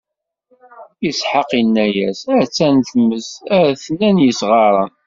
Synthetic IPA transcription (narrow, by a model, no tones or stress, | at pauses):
jəsħəqinːæjæsæt͡sːænθəmːəsæɾθnːænjəsʁɑɾˤɑ